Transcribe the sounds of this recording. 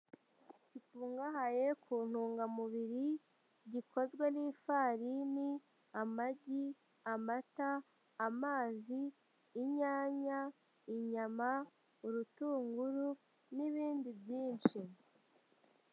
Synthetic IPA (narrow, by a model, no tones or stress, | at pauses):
cifuːŋɡaɦaje̞kʰuːn̥huːŋɡamuβiɾi | ɟiko̞zɡwe̞niːfaːɾini | amaɟi | amataː | maːziː | ɲaːɲa | iɲama | uɾutuːŋɡuɾu | niβiːndibjiːnt͡ʃi